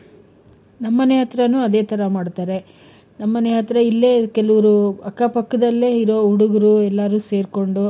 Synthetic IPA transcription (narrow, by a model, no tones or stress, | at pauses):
nɐmːɐneɦɐt̪ɾɐnuːɐd̪e̞ːt̪ʰɐɾɐmaːɽt̪aːɾe̞ | nɐmːɐneɦɐt̪ɾɐilːekɛlɐʋɐɾuɐkːapɐkːɐd̪ɐlːeːiɾoːuɽuɡɐɾuɛlːaːɾuːse̞ːɾko̞ɳɖu